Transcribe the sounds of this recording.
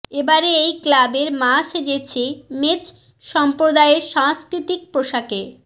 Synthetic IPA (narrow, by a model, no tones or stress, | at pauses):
ebaɾeejklabeɾmaʃed͡ʑet͡ɕʰemet͡ɕ | ʃɔmpɾod̪aeeɾʃaŋskɾit̪ik̚pɾoʃake